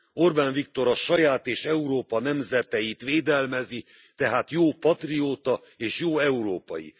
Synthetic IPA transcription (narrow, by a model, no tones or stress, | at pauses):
o̞rbaːnvik̚t̪o̞ɾɒʃɒjaːt̪eːʃɛuɾoːpɒnɛmzɛt̪ɛjit̪ʋeːd̪ɛlmɛzi | t̪ɛɦaːt̪joːpɒt̪rioːt̪ɒ | eːʃjoːɛuɾoːpɒ̰jḭ